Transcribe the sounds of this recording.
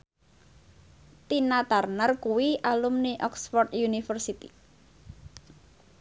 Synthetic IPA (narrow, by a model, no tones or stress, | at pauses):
t̪inat̪arnərkuwiʔalumniʔɔksfɔrt̪junifərsit̪ḭ